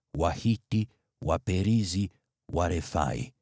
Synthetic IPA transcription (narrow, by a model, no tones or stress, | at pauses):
wahiti | wapɛɾizi | wʔaɾɛfa̰ḭ